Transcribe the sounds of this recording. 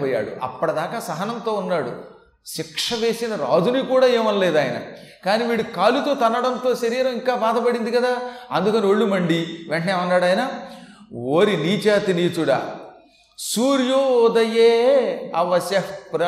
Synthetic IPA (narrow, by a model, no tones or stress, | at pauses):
ɔːjːa̰ːɽṵʔɐ̰pːɐɽɐd̪aːkaːsɐɦɐnɐnt̪o̞ːunːaːɽṵ | ʃikʂɐʋe̞ːsinɐɾaːd͡ʒunikuːɽaːeːmɐnɐleːd̪aːjɐnɐ̰ | kaːniːʋiːɽukaːlut̪o̞ːt̪ɐnːɐɽɐnt̪o̞ːsɐɾiːɾɐmiŋkaːbaːd̪ɐpɐɽind̪ikɐd̪aːɐnd̪ukɐnioɭːumɐɳɖiʋeɳʈɐneːʋɐnːaːɽaːjna | oːɾiniːt͡ʃaːt̪iniːt͡ʃuɽa̰ː | suːɾjoːd̪ɐjeːɐ̰ʋɐsɐhpɾ